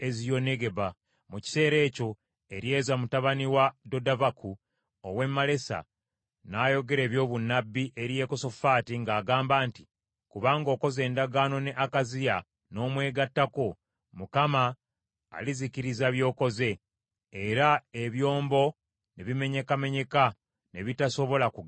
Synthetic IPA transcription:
e̞zijo̞ne̞ɡe̞βa | muci̥se̞ːɾe̞ːco̞ | e̞ɾje̞ːzamutaβaniwado̞davakʰu | owe̞mːale̞sa̰ | naːjo̞ɡe̞ɾe̞ːβjo̞ːβunːabːiʔe̞ɾije̞ko̞so̞faːtiŋɡaːɡaːmbaːnti̥ | kuβaːŋɡo̞ːko̞ze̞ːndaɡaːno̞neʔakazija | no̞ːmwe̞ːɡatːako̞ | mukama̰ː | lizikiɾizaβjo̞ːko̞ze̞ | eɾae̞βjo̞ːmbo̞ | ne̞βime̞ɲe̞kame̞ɲe̞ka | ne̞βitaso̞βo̞lakuɡ

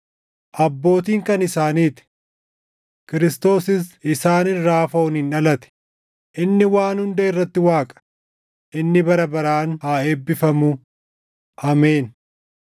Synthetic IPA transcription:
ʔɐbːo̞ːt̪iːŋkɐnɪsaːniːt̪ɪ̥ | kɪɾɪst̪o̞ːsɪsɪsaːnɪnɾaːfɐʊnɪnᶑɐlɐt̪ɛ̥ | ʔɪnːɪwaːnhʊnd̪eːɪrːɐt̪ːɪwaːkʼɐ̥ | ʔɪnːɪbɐɾɐbɐɾaːnhaːeːbːɪfɐmʊ | ʔɐmeːn

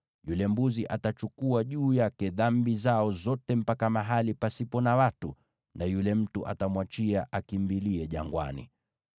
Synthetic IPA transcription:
julɛmbuziʔatat͡ʃukuaʄuːjakɛðambizaɔzɔtɛm̩pakamaɦalipasipɔnawatu | najulɛm̩tuʔa̰tamwat͡ʃiaʔakimbiliɛʄaŋɡwa̰nḭ

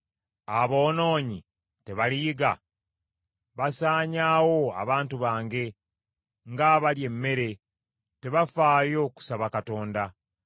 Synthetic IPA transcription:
aβo̞ːno̞ːɲi | te̞βalijiɡa̰ | βasaːɲaːwo̞a̰βaːntuβaːŋɡe̞ | ŋɡaβalje̞mːe̞ɾe̞ | te̞βafaːjo̞ːku̥saβakato̞ːnda

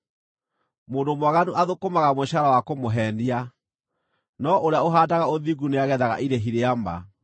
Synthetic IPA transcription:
moːndomwaɣanuʔaðokomaɣamoɕaɾawakomoɦɛːndia | nɔʔoɾeaoɦaːdaɣaoðiɣuneaɣɛðaɣa̰ʔiɾeɦiɾeama̰

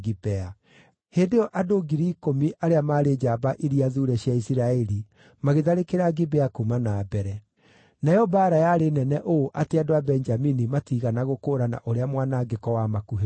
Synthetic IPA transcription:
ɡibɛa | heːndejɔʔadoɡiɾikomiʔaɾeamaːɾed͡ʒabaʔiɾiaðuɾɛɕjaisiɾaɛɾi | maɣeðaɾekeɾaɡibɛakumanaːbɛɾɛ | naɔbaːɾajaɾenɛnɛʔoʔateadoabɛnd͡ʒaminimatiɣanaɣokoːɾana̰ʔoɾeamwaːnaɡekɔwamakuɦe

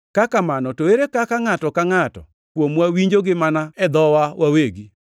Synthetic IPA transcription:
kakamanɔtoeɾekakaŋatɔkaŋatɔ̰ | kwomwawiɲd͡ʒoɡɪmanaɛd̪ɔwawʔaweɡi

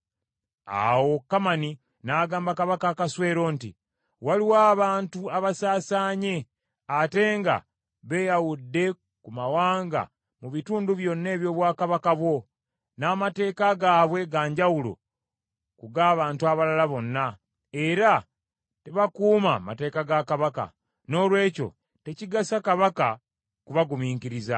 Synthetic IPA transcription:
a̰wo̞kːamani | naːɡaːmbakaβakakaswe̞ːɾo̞ntḭ | waliwaːβaːntuaβasaːsaːɲe̞ | ate̞ːŋɡa̰ | βe̞jawudːe̞ | kumawaːŋɡa̰ | muβituːnduβjo̞nːe̞ːβjo̞ːβwaːkaβakaβwo̞ | naːmate̞ːkaɡaːβwe̞ɡaːɲɟawulo̰ | kuɡaːβaːntuaβalalaβo̞nːa | e̞ɾa | te̞βakuːmamate̞ːkaɡakaβaka̰ | no̞ːlwe̞ːco̞̰ | te̞ciɡasakaβaka | kuβaɡumiːŋkiɾiza

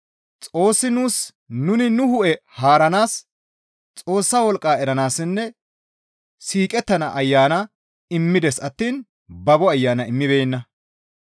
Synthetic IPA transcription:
t͡sʼo̞ːsːɪnuːs | nʊnɪnʊhʊʔɛhaːɾɐnaːs | t͡sʼo̞ːsːaːwɔlkʼːaːɛɾɐnaːsɪnːɛ | siːkʼɛt̪ːɐnɐʔɐjːaːnɐ | ɪmːɪd̪ɛsɐt̪ːiːn | bɐbɔɐjːaːnɐɪmːɪbeːnːɐ

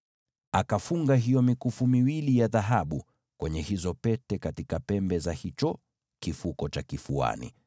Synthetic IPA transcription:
akafuŋɡaɦijɔmikufumiwilijaðaɦaɓu | kwɛɲɛhizɔpɛtɛkatikapɛmbɛzahit͡ʃɔ | kifukɔt͡ʃakifua̰nḭ

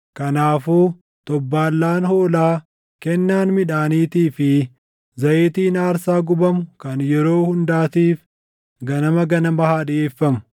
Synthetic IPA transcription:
kɐnaːfuː | t̪ɔbːaːlːaːnhoːlaː | kɛnːaːnmɪᶑaːniːt̪iːfɪ | zɐʔeːt̪iːnaːɾsaːɡʊbɐmʊkɐnjɛɾo̞ːhʊnd̪aːt̪iːf | ɡɐnɐmɐɡɐnɐmɐhaːᶑɪeːfːɐmʊ̥

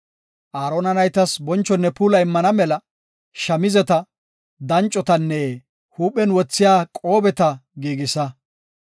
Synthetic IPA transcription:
ʔaːɾonɐnɐjt̪ɐsbɔnt͡ʃːɔnːɛpuːlɐjɪmːɐnɐmɛlɐ | ʃɐmɪzɛt̪ɐ | d̪ɐnt͡ʃʼːɔt̪ɐnːɛ | huːpɛnwɔt͡sːɪjaːkʼo̞ːbɛt̪ɐɡiːɡɪsɐ

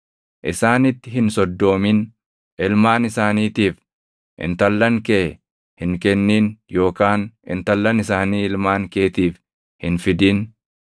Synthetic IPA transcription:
ʔɪsaːnɪt̪ːɪɦɪnsɔd̪ːo̞ːmɪn | ɪlmaːnɪsaːniːt̪iːf | ʔɪ̰nt̪ɐlːɐŋkeː | hɪŋkɛnːiːnjo̞ːkaːnɪ̰nt̪ɐlːɐnɪsaːniːɪlmaːŋkeːt̪iːf | hɪnfɪd̪iːn

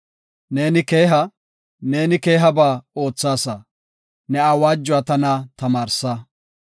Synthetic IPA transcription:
ne̞ːnɪke̞ːɦɐ | ne̞ːnɪke̞ːɦɐbaːo̞ːt͡sːaːsɐ | nɛawaːd͡ʒːʊat̪ɐnɐt̪ɐmaːɾsɐ

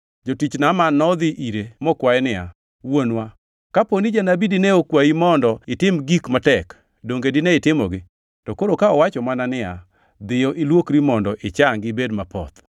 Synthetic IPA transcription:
d͡ʒotit͡ʃnamanːɔd̪ɪʔiɾemɔkwaɛnɪa̰ | wonwa | kaponid͡ʒanabidineokwaimɔndɔɪtɪmɡikmatɛk | doŋɡedɪneɪtɪmɔɡɪ | tɔkoɾokaɔwat͡ʃɔmananɪa̰ | d̪ɪjɔʔɪlwokɾimɔndɔʔɪt͡ʃaŋɡɪbedmapɔ̰t̪

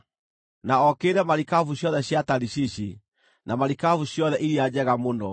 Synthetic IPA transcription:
naɔkeɾɛmaɾikavuɕjɔðɛɕjataɾiɕiɕi | namaɾikavuɕjɔðɛʔiɾiad͡ʑɛɣamondɔ

